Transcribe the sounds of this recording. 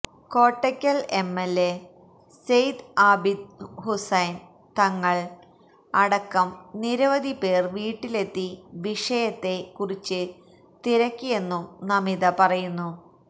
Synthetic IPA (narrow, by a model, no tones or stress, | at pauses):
ko̞ːʈːɐkʲːɐle̞mːelːe | sejd̪aːbid̪husɐjn | t̪ɐŋːɐɭ | ɐɽɐkːɐmniɾɐʋɐd̪ʱipe̞ːrʋiːʈːile̞t̪ːiʋiʂɐjɐt̪ːe̞kurit͡ɕːɨ | t̪iɾɐkʲːije̞nːumnɐmiðɐpɐrɐjunːu